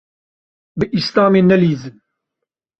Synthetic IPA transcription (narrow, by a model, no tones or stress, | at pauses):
bɨʔist̪aːmeːnɛliːzɨn